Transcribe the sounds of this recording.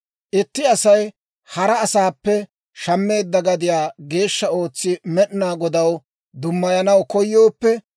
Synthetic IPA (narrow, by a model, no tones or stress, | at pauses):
ʔɪt̪ːɪɐsɐj | hɐɾɐːsaːpːɛ | ʃɐmːe̞ːd̪ːɐɡɐd̪ɪjaːɡe̞ːʃːɐo̞ːt͡sːɪmɛɗnaːɡɔd̪ɐw | d̪ʊmːɐjɐnɐwkɔjːo̞ːpːɛ